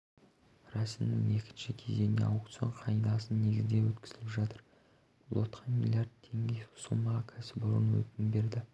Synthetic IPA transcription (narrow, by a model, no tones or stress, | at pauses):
rɑsɪnnɪŋje̞kʲɪ̥nʃɪkʲʰe̞ze̞jnḛɑwkt̪sjo̰ɴqʰɑjd̪ɑsənne̞ɡʲɪzd̪e̞wɵt̪kʲɪ̥zɪlɪpʒɑt̪əɾ | b̥ʊlˠwot̪qʰɑnmʲḭlʲjard̪ʰe̞ŋɡʲeʊ̥səlˠmɑʁɑkʲʰæsɪbʊɾə̰nwɵ̰t̪ɪnbe̞ɾd̪ɪ